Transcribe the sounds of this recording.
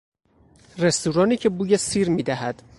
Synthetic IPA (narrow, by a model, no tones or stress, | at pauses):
re̞st̪uːɾɒːniːcʰebuːjesiːɾmiːd̪æɦæd̪̥